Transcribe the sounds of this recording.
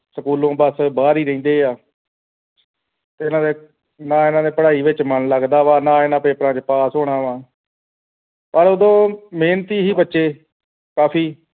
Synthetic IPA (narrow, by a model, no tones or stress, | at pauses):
səkuːlõːbəsbaːɾiːɾəĩnd̪eːaː | t̪eːɪnãːd̪eː | nãːɪnãːd̪eːpəɽaːiːʋɪt͡ʃmənləɡd̪aːʋaːnãːɪnãːpeːpɾãːt͡ʃpaːsɦoːɽaːʋãː | pəɾoːd̪õːmeːnt̪iːɦiːbətːʃeː | kaːpʰiː